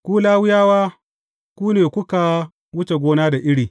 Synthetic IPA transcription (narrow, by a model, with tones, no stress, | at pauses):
kʷuː˦laː˦wʊ˦jaː˦waː˦ | kʷuː˦neː˨kʷʊ˦ka˨ | wʊ˦t͡ʃe˨ɡʷoː˦naː˦da˨ʔɪ˦ɽiː˨